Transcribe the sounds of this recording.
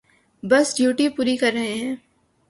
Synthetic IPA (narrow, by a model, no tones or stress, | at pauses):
bɐsɖjuːʈipuːɾikɐɾːɐɦeɦɛ̃ː